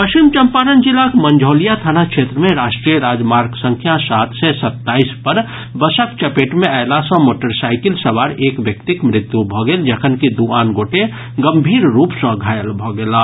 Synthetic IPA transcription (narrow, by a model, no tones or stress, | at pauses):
pəʃt͡ʃimt͡ʃəmpaːɾənd͡ʒɪlakmə̃ɲd͡ʒʱoːlijat̪ʰanakʃʰeːt̪ɾəmẽɾaːʃʈɾijəɾaːd͡ʒmaːɾɡsə̃ŋkʰjasaːt̪ʰsesət̪ːaːispəɾ | bəsəkt͡ʃəpeːʈmẽəɦlasə̃moːʈəɾsaːɪkɪlsəʋaːɾeːkʋjək̚t̪ɪkmɾɪt̪jubʱɔɡeld͡ʒəkʰənkid̪uaːnɡoːʈe | ɡəmbʱiːɾɾuːpsə̃ɡʱaːjəlbʱɔɡelaː